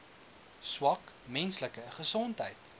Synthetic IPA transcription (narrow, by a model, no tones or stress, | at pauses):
swɐk | mɛnsləkəχəsɔntɦəjt